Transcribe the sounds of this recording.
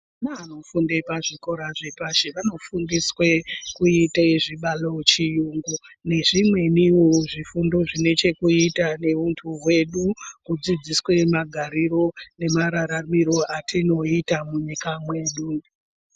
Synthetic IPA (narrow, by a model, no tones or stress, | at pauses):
nano̞fundepaʐiko̞ɾaʐe̞paʃeʋano̞fundiswekuitaiʐiɓalot͡ʃijuŋɡune̞ʐimwe̞niuʐifundo̞ʐine̞t͡ʃe̞kuitane̞ʋuntʰuɦwe̞ɗukud͡zid͡ziswe̞maɡʱaɾiɾo̞ne̞maɾaɾamiɾo̞ʔatʰino̞itamuɲikamwe̞ːɗu